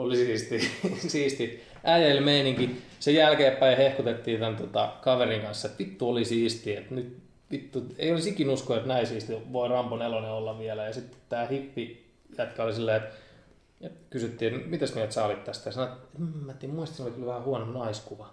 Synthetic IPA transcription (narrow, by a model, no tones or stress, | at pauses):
olisiːst̪isiːst̪i | ʔæːjelmeiniŋki | sejælkeːppæihehkut̪et̪ːiːt̪ænt̪ot̪ɑ̰kɑʋeriŋkɑnsːɑet̪ʋit̪ːuolisiːst̪iet̪nyt̪ | ʋit̪ːuḛiolisikinuskoet̪næisiːst̪iʋoirɑmponeloneolːɑʋʋiælæjɑsit̪ːe̥tt̪æːhipːi | jæt̪kɑolisilːɑiet̪ | et̪kysyt̪ːiːet̪mit̪æskoniæt̪sɑːlit̪t̪æst̪æjɑsɑnoet̪emːæt̪ːiemuist̪sinolikylʋæhæhuɑnonɑiskuʋɑ